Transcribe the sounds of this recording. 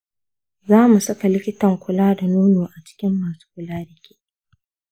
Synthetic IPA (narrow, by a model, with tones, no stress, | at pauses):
zaː˦mu˨sɐ˦ka˨lɪ˦kʲɪ˦tɐ˨ŋkʷʰʊ˨laː˦da˨nuː˦noː˨ʔa˨t͡ʃɪ̥˦kʲɪ˦mːaː˨su̥ː˦kʷʊ˨laː˦ɽɪ˨kʲe̥ː˦